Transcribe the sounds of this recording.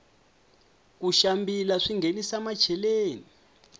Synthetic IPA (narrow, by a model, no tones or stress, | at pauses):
k̬uʃambilaʂiŋenisamḁʒ̥ʰʱɛleːni